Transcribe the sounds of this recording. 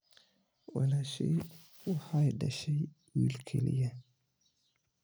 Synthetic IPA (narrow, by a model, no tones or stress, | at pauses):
wɑ̰laʃɛ̰ | wʊħɑiɖɐʃɛj | wilkʰɛlijɐ